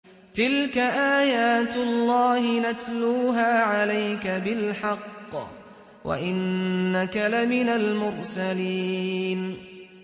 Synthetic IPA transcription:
t̪ɪlkaʔaːjaːt̪ʊlːɑːhɪnat̪luːɦaːʕalajkabɪlħɑqː | wʔa̰ʔɪnːakalamɪnalmʊɾsaliːn

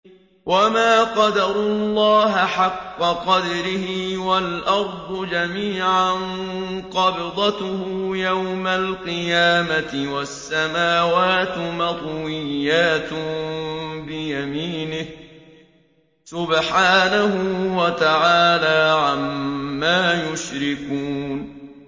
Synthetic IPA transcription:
wamaːqɑd̪ɑɾʊlːɑːɦaħɑqːɑqɑd̪ɑɾɪhɪwalʔɑɾˤd̪ˤʊd͡ʒamiːʕanqɑbɪd̪ˤɑt̪ʊhʊjawmalqɨjaːmat̪ɪwasːamaːwaːt̪mɑt̪ˤwɪjːaːt̪ʊ | bɪjamiːnɪh | sʊbħaːnahʊwat̪aʕaːlaːʕammːaːjʊʃɾɪkuːn

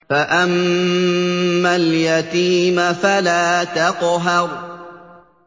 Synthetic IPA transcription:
faʔam | aljat̪iːmafalaːt̪ɑqɦɑɾˤ

